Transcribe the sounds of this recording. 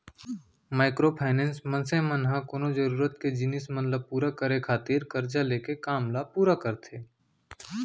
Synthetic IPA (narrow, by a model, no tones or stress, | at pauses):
maːɪkɾopʰaːɪnɛ̃ːnsmə̃nsemənɦãkoːnod͡ʒəɾuːɾət̪ked͡ʒɪnɪsmənləb̚puːɾakəɾekʰaːt̪iːɾkɐɾd͡ʒaleːkekaːmlapuːɾakəɾt̪ʰeː